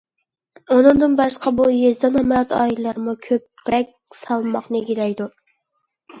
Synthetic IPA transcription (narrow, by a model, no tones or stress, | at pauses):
onɨŋd̪ɨnbɑʃqʰɑbujezd̪ɛnɑmɑɾɑt̪ɑ̰ːillːˠɑɾmukʲʰøpː | ɾɛk̚ʲsɑlˠmɑχnɨɡʲilɛjd̪u